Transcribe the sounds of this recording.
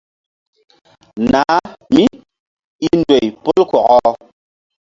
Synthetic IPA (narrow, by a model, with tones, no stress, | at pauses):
na˨˦mi˦ | i˦ndwe˨jpo˦lkwɔ˨ʔɔ˦